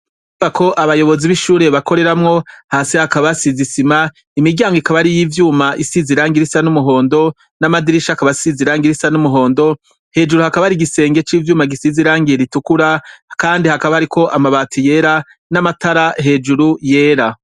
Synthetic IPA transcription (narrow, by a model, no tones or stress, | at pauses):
vako̞ʔaβajo̞βo̞ziβiʃuːɾe̞βako̞ɾe̞ɾamŋo̞haːsihakaβasizisima | imiɟaːŋɡoikaβaɾijivjuːmaʔisiziɾaːŋɡiɾisanumuɦo̞ːndo̞ | namadiɾiʃakaβasiziɾaːŋɡiɾisanumuɦo̞ːndo̞ | he̞ːd͡ʒuɾuhakaβaɾiɡise̞ːŋɡe̞t͡ʃiːvjuːmaɡisiziɾaːŋɡieɾitukuɾakaːndihakaβahaɾiko̞ʔamaβaːtʰije̞ɾa | namataɾaɦe̞d͡ʒuɾuje̞ːɾa